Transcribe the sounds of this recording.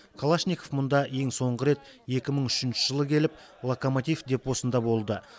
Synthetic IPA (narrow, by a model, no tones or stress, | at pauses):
kʰolˠaʃnʲikofmʊnd̪ɑe̞ŋso̞ɴʁəɾe̞t̪ | je̞kʲɪməɴʏʃɪnʃɪʒəlˠəkʲʰe̞lɪp̚ | lˠokomot̪ijfd̪e̞pwo̞sənd̪ɑbo̞lˠd̪ə